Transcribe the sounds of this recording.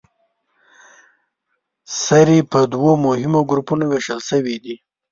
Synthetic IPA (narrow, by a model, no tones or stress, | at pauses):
saɾipəd̪womʊhɪmoɡɾupunoweʃəlsəwid̪i